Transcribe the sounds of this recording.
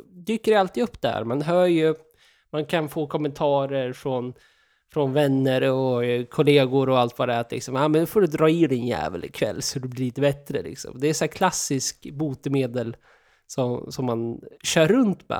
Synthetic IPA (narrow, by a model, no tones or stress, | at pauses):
d̪yːkːəɾjalt̪iːd̪ɵpːd̪ɛæ̰ɾmanɦœːɾjɵ | mankʰanfoːkʰɔmːənt̪ʰɑːɾəɾfɾɔn | fɾɔnvɛnːəɾɔkʰɔleːɡʊɾɔalt̪vadɛɾat̪lɪ̰ksɔmamɛnɵfoːɖɵd̪ɾɑːɪɾɛnjæ̰ːvə̰lɪkʰvɛ̰lːsɔɔd̪ɛblɪliːt̪əbɛt̪ɾəlɪ̰ksɔ̰md̪ɛɛsæːkʰlasːɪskbuːt̪əmeːd̪əl | sɔmsɔmːanɕœːɾːɵnt̪mɛ̰